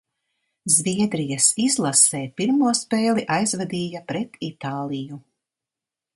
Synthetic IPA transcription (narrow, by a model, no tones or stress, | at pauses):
zviɛd̪ɾijɐsizlˠasɛːpiɾmuɔspɛːlˠiʔajzvɛd̪iːjapɾɛt̪it̪aːlˠiju